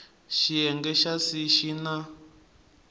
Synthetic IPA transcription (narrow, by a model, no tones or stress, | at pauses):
ʃijɛŋɡɛʃasiʃina